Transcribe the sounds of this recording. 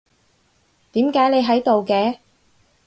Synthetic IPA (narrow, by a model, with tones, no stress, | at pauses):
t̪iː˨˥mkaː˨˥jne˨˧jɦɐ˨˥jt̪o˨wkɛː˨˧